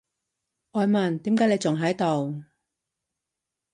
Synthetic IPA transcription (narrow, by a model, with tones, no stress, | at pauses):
ʔɔː˨˧jmɐ˨˩nt̪iː˨˥mkaː˨˥ne˨˧jt͡sʊ˨˩ŋɦɐ˨˥jt̪o˨˩w